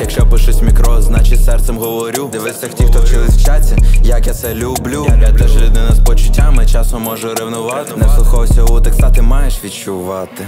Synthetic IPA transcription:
jɐkʃt͡ʃɔpɪʃʊsʲmʲikɾɔznɑt͡ʃɪtʲsɛrt̪sɛmɦɔʋɔɾʲud̪ɪʋɪsʲɐktʲixt̪ɔwt͡ʃɪlˠɪsʲt͡ʃasʲijɐkjat̪sɛlʲublʲujʲɛt̪ɛʒlʲʊd̪nɪnɐspɔt͡ʃʊtʲːamɪt͡ʃɑsɔmɔʒʊɾɪʋnʊʋɑt̪ɪnesˠʊxɔʋɔsʲɔɦɔt̪ɪksɑt̪ɪmɑjeʃʋʲidt͡ʃʊʋɑt̪ɪ

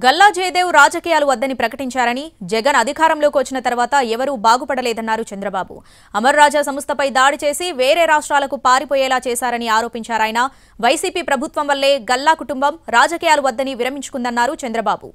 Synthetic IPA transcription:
ɡɐlːaːd͡ʒeːjd̪e̞ːwɾaːd͡ʒɐkiːjaːluʋɐd̪ːɐnipɾɐkɐʈiɲt͡ʃaːɾɐnid͡ʒɛɡɐnɐd̪ʱikaːɾɐmlo̞ːkiʋɐt͡ʃːinɐt̪ɐɾʋaːt̪ɐɛʋɐɾuːbaːɡupɐɽɐlɛːd̪ɐnːaːɾut͡ʃɐnd̪ɾɐbaːbṵ | ɐmɐɾɾaːd͡ʒaːsɐmɐst̪ʰɐpɐjd̪aːɽit͡ʃe̞ːsiʋeːɾe̞ːɾaːʂʈɾaːlɐkupaːɾipoːjɛːlaːt͡ʃɛːsaːɾɐniaːɾo̞ːpiɲt͡ʃaːɾaːjɐnɐ | ʋɐjsiːpiːpɾɐbʱut̪ʋɐmʋɐlːe̞ːɡɐlːaːkuʈumbɐmɾaːd͡ʒɐkiːjaːluʋɐd̪ːɐniʋiɾɐmiɲt͡ʃu̥kund̪ɐnːaːɾut͡ʃɐnd̪ɾɐbaːbṵ

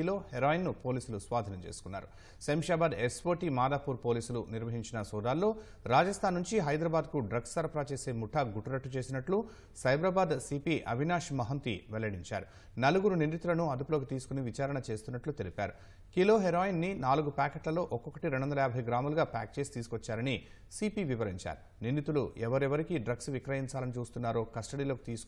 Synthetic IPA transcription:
iloːheɾaːjinːupo̞ːliːsulusʋaːd̪ʱinɐmt͡ʃe̞̰ːsu̥kunːa̰ːɾu | sɐmʃaːbaːd̪ekspoːʈimaːd̪aːpuːɾpoːliːsuluniɾʋɐɦiɲt͡ʃinɐsɔːd̪aːlːo̞ː | ɾaːd͡ʒɐst̪ʰaːnːuɲt͡ʃiɦɐjd̪ɾɐbaːd̪̚kuɖɾɐɡsɐɾɐpɾaːt͡ʃe̞ːse̞ːmuʈʰɐɡuʈːɐɾɐʈːut͡ʃeːsinɐʈlu | sɐjbɾaːbaːd̪sipiːʔɐbʱinaːʂmɐɦɐnt̪ḭʋɛlːɐɽiɲt͡ʃa̰ːɾu | nɐluɡuɾunind̪it̪ulɐnuɐd̪upulo̞ːkit̪iːsu̥kuniʋit͡ʃaːɾɐɳɐt͡ʃe̞ːst̪unːɐʈlut̪e̞lipa̰ːɾu | kilo̞ːɦeɾoːjinːinaːluɡupaːkeʈlɐlo̞ːʔɔkɔkːɐʈiɾeɳɖuʋɐnd̪ɐjaːbʱɐjɡɾaːmɐluɡaːpa̰ːk̚t͡ʃe̞ːsi̥t̪iːsu̥kot͡ʃːaːɾɐni | siːpiʋiʋɐɾiɲt͡ʃa̰ːɾu | nind̪it̪uluʔɛʋɐɾɛʋɐɾikiɖɾɐɡsʋikɾɐjiɲt͡ʃaːlɐnit͡ʃuːst̪unːaːɾo̞ːkɐsʈɐɽiːlo̞ːki̥t̪iːsu̥k

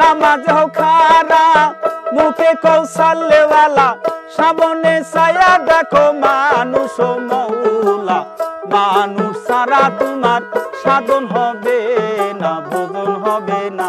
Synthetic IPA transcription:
amad͡zeɦɔkʰaɾamukekosalewalaʃabɔnesajad̪ɛkomanũsomɔwulamanusaɾad̪umanʃad̪onɦɔbenabobonɦɔbena

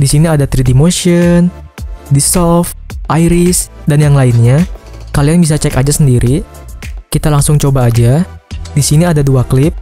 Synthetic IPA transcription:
disiniadat̪ɾidimoʃiɔn | disɔfʔajɾɪsdanjaŋlaɪnɲakalianbis̬at͡ʃɛkad͡ʒasəndiɾʔi | kit̪alaŋsʊŋt͡ʃobaːd͡ʒadisiniadaduaklɪp̚

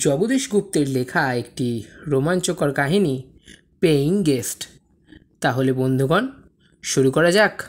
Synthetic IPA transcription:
d͡ʑɔbod̪eʃɡup̚t̪eɾlekʰaekʈiɾomant͡ɕokaɾkaɦini | peiŋɡesʈ | t̪aɦolebond̪ʱuɡɔn | ʃuɾukɔɾad͡ʑak

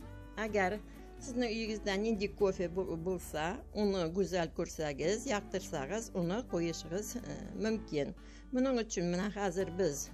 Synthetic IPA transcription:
æɡʲæɾ | sɪznɪŋʏjɪɡɪzd̪ænend̪ekʰo̞fʲebo̞lˠsɑwʔonəɡɵzælkʲʰɵɾsæɡʲɪzjɑq̚t̪əɾsɑʁəzwʊnəqʰo̞jəʃəʁəzmʏmkʲɪn | mʊnəɴʏt͡ʃʰɪnmɪnæχɑzɪɾbɪz

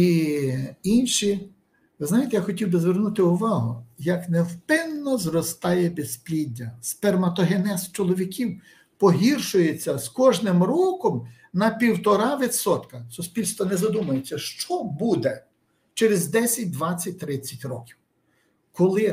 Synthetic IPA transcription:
i | inʃi | ʋɪznɑjet̪ɛjaxɔtʲiwbɪzʋernut̪ɪʊʋɑɦʊjɐknewpɪnːɔzrɔst̪ɑjɛbesplʲidʲːɐspɛrmɐt̪ɔɦenɛst͡ʃɔlˠɔʋʲikʲʰiw | pɔɦirʃʊjet͡sʲːɐskɔʒnɪmrɔkɔm | nɐpʲiwt̪ɔɾɑʋʲit̪sɔt̪kɐsʊspʲilʲst̪ʋɔnɛzɐd̪umɐjet͡sʲːɐʃt͡ʃɔbud̪ɛ | t͡ʃeɾɪzd̪ɛsʲɐt̚ʲd̪ʋɑt͡sʲːɐt̚ʲt̪ɾɪt͡sʲːɐtʲrɔkʲiw | kɔlˠɪ

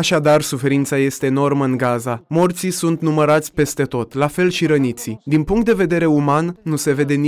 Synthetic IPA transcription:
aʃad̪arsufe̞ɾint̪saje̞st̪e̞ːno̞rməɨŋɡazamort̪sisunt̪numəɾat̪sʲpe̞st̪e̞t̪o̞t̪lafe̞lʃiɾənit̪sid̪inpuŋkt̪̚d̪e̞ve̞d̪e̞ɾe̞umanːuse̞ve̞d̪e̞ni

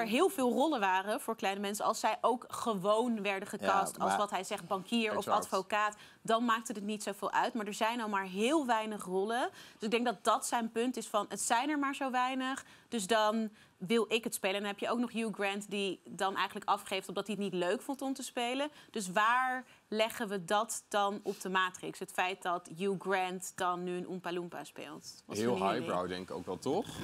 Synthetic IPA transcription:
ɛɹɦɪːlˠvɪːlˠrɔlənʋaːrəv̥ʊːɹklɛjnəmɛnsəɑ̰lˠsɛjʔowkχəʋownʋɛɹdəχəkɑstɑlˠsʋɑtɦɛjzɛχt̚bɑŋkʰiːɹɔfɑtfokaːt | dɑnmaːk̚tətətnitsowvɪːlˠʔœ̰ɥtmaːɹdɛɹzɛjnɑlˠmaːɹɦɪːlˠʋɛjnəχrɔləd̥øsɪɡdɛŋk̚dɑt̚dɑtsɛjnpʏntɪsfɑnətsɛjnəɹmaːɹzowʋɛjnəχ | d̥ɵsdɑn | ʋɪlˠɪkɦətspejləɛndɑnɦɛpjəoʊwknɔχjuːɡrɛntdidɑnʔɛ̰jχənləkɑfχejftɔfdɑtiətnitløɥkfɔntɔmtəspejləd̥ɵs̬ʋaːɹ | lɛχənʋədɑtd̥ɑnɔb̚dəmaːtrɪ̰ksɦətfɛjt̚dɑtjuɡrɛntd̥ɑnːyənʔumpalumpa̰spḛːlˠtɑ̰ɦɪːlˠɦajɹa̰wdɛ̰ŋkɪko̰wkʋɛlˠtɔχ

